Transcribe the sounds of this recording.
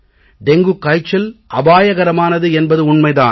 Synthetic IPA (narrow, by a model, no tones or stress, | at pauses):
ɖɛŋɡɯkːɐɪt͡ʃːɐlʔɐbaːjɐɣɐɾɐmaːnɐðɯɛnbɐðɯʊɳmɐɪða̰ːn